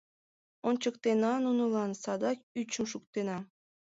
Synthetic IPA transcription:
ont͡ɕəkt̪enɑnunɤ̆lɑnsɑd̪ɑkyt͡ɕəmʃukt̪enɑ

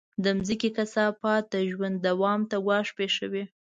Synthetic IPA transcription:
d̪əmzəkekasɑpɑt̪̚d̪əʒwand̪ːawɑmt̪aɡwɑʂpeʃəwe

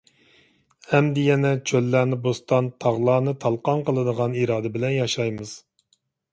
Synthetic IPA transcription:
hɛmd̪ɪjɛnɛt͡ʃʰølːæːnɪbost̪ɑnt̪ʰɑʁlˠɑːnɨt̪ʰɑlˠqɑnqəlˠɨd̪əʁɑniɾɑːd̪ɛbɪlɛnjɑʃɑjmɨz̥

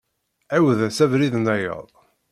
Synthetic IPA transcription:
æwðæsævɾiðnæjə̰ðˤ

